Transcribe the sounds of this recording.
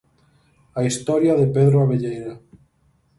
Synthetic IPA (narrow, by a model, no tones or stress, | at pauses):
aist̪ɔɾjaðepeðɾoaβeʎejɾa